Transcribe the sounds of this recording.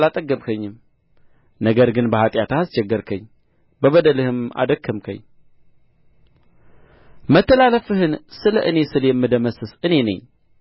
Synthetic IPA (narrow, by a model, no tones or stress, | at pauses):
lat̪ʼəɡːəβkʰəɲːɨm | nəɡəɾɡɨnbəhat̪ʼjat̪ʰaast͡ʃɛɡːəɾkʰəɲː | bəβəd̪əlɨhɨma̰d̪əkʰːɨmkʰə̰ɲː | mət̪ːəlaləfɨhɨnsɨləʔɨne̞sɨljɛmːɨd̪əməsɨsɨne̞nə̰ɲ